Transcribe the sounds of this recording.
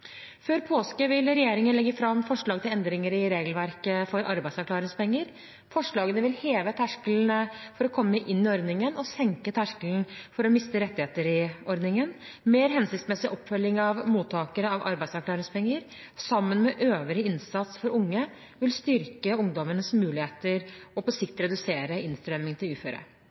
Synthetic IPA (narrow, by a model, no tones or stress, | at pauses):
føːɾpʰoːskəʋɪlɾɛjeːɾɪŋənlɛɡːəfɾɑmfɔʂɭɑːɡt̪ɪlɛnd̪ɾɪŋəɾɪɾeːɡlʋæɾkəfɔɾʔɑɾbæɪsæɾkʰlɑːɾɪŋspɛŋːəɾ | fɔʂɭɑːɡənəʋɪlheːʋət̪ʰæʂkəlnəfɔɾɔkʰɔmːəʔɪnːɪɔɾd̪nɪŋənɔsɛŋkət̪ʰæʂkəln̩fɔɾɔmɪst̪əɾɛt̪ːɪheːt̪əɾɪɔɾd̪nɪŋənmeːɾɦɛnsɪktsmɛsɪʔɔpːfœlːɪŋɑʋmuːt̪ʰːɑːkəɾəɑʋʔɑ̰ɾbæɪd̪sæɾklɑːɾɪŋspɛŋːəɾ | sɑmːənmɛʔøːʋəɾəɪnsɑt̪sfɔɾʊŋːə | ʋɪlst̪ʏɾkəʊŋd̪ɔmənəsmʉːlɪheːt̪əɾɔpɔsɪkt̪ɾɛd̪ʉseːɾəɪnst̪ɾœmɪŋt̪ʰɪlʉːføːɾə̰